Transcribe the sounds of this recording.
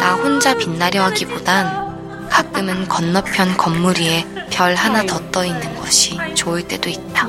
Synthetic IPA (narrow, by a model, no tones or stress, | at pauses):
nahond͡ʑapinːaɾjʌɦaɡibodan | kʰak̚k͈ɯmɯnkʌnːʌpʰjʌnkʌmːuɾie̞pjʌɭɦanatʌt͈ʌinːɯnɡʌɕʰit͡ɕoɯɭt͈e̞doit̚t͈a